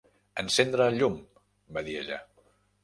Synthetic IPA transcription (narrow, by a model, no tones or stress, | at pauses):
ənsend̪ɾəːʎum | baðieʎə̰